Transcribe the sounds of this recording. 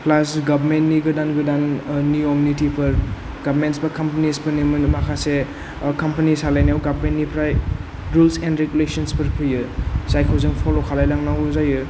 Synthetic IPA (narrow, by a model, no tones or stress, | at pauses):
pʰlasɡabʱmenniɡɯdanɡɯdannuomunitipʰɐɾ | ɡabʱmentsbɐkɐmpɐnisbɐnimɐmakʰase | kɐmpɐnisalajnawɡabʱmennipʰɾaj | ɾulsenɾeɡulesɐnspɐɾpʰɯjɯsajkʰowzɐŋpʰolokʰalajlaŋnaɦuzajɯ